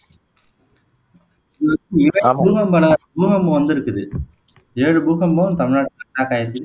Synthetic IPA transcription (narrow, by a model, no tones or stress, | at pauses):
ɐkːɯɪʋɐbuːɣɐmbɐɭɐbuːɣɐmːoːʋɐnd̪ɪɾɯkːɯðɯ | eːɻɯbuːɣɐmːoːt̪ɐmɪɻnaːʈːkɐʈːaːkaːɪɾɯkːɯðɯ